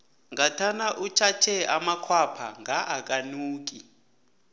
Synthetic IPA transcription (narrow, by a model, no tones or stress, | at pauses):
ŋatʰanaʔut͡ʃʰat͡ʃʰɛamakʰwapʰa̰ŋɡaʔak̬ʼanuːk̬i